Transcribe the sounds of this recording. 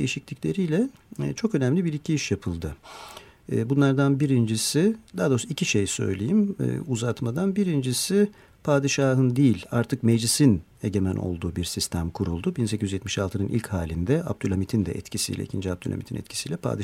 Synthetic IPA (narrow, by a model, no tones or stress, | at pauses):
ejiʃiclʲiclʲe̞ɾijlʲɛt͡ʃʰo̞kø̞næmlʲibiɾicʰiiʃjapʰɯlˠd̪ɯː | bunlˠaɾd̪anbiɾind͡ʒisɪd̪ad̪osicʰiʃejsø̞̰jlʲejim̰ːuzat̪mad̪anbiɾind͡ʒisɪ | pʰaːd̪iʃaːɦɯnd̪ijilʲa̰ɾt̪ʰɯkmed͡ʒlʲisin | e̞ɟe̞mænʔo̞̰lˠd̪uːbiɾsist̪ʰæmkʰuɾulˠd̪ubins̬ecʰizyzjɛt̪miʃalˠʰɯnɯnʔḭlʲchaːlʲind̪ɛa̰p̚t̪ʰylʲamit̪ʰind̪ɛ̰ʔɛ̰t̪cʰisḭjlʲɛ̰ḭcʰind͡ʒiap̚d̪ʰylʲha̰mit̪ʰinɛ̰t̪cʰi̥sijlʲɛpʰa̰ːd̪i